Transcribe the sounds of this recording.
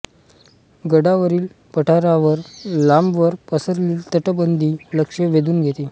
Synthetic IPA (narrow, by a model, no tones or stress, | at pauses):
ɡəɽaʋəɾiːl | pəʈʰaɾaʋəɾlambʋəɾpəsəɾliːlt̪əʈəbənd̪ʱiːləkʂəʋed̪uːnɡʱet̪i